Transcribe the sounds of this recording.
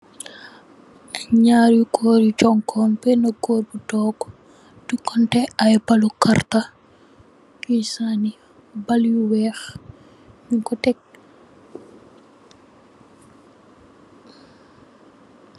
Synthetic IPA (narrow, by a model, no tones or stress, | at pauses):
ɲaːɾjukʰɔːɾut͡ʃɔŋkʰɔːnpɛnɐkoːɾbutɔːɡɔ̥ | dukːɔntɛajpalukarta | kisani | baljuwɛːx | ɲuŋkɔtɛk̚